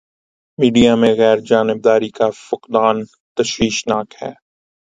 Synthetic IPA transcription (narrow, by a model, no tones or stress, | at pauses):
miːɖijamẽɣɛːɾd͡ʒaːnɪb̚d̪aːɾikafʊqd̪aːn | t̪ɐʃwiːʃnaːkhɛ̰ː